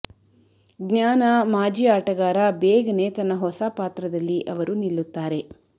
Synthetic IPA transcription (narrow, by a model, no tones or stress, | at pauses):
ɡɲaːnɐmaːd͡ʒiaːʈɐɡaːɾabɛːɡɐne̞ːt̪ɐnːɐɦɔsapaːt̪ɾɐd̪ɐlːiʔɐʋɐɾunilːut̪ːaːɾe̞